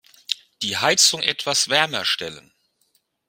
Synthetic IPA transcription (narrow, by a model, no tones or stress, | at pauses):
d̥iːhaɪt͡sʊŋʔɛtv̥asv̥ɛɐmɐʃtɛlə̰n